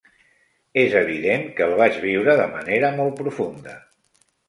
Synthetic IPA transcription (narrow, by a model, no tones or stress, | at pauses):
ezəβ̞iðeŋkəlˠβ̞aʒβiwɾəðəmə̰neɾəmɔlˠt̚pɾufund̪ə